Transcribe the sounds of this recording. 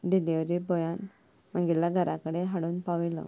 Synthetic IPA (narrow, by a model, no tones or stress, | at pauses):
ɖilaʋɾibɔjan | maŋɡilːaɡʱəɾʔakəɽeɦaɽuːnpaʋilɔ̰